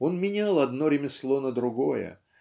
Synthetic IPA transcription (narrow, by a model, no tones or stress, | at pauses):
o̞nmʲɪnʲalˠɐd̪no̞ɾʲɪmʲɪslˠo̞nəd̪ɾʊɡojə̰